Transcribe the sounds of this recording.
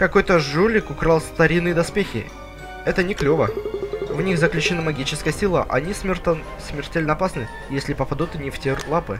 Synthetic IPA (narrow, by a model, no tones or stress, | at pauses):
kɐko̞jt̪əʐulʲɪkʊkɾalˠst̪ɐɾʲinːɨjd̪ɐspʲexʲɪ̰ | ɛt̪ənʲɪklʲo̞vəvnʲixzəklʲʉt͡ɕɪnamɐɡʲit͡ɕɪskəjəsʲilˠə̰ʔɐ̰nʲi | smʲɪrtʲelʲnəɐpasnɨ | jesʲlʲɪpəpɐd̪ut̪nʲɪftʲerlˠapɨ